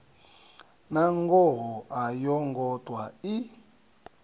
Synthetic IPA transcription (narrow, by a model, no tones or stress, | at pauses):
naŋɡɔɦɔʔajɔŋɡɔtʼwai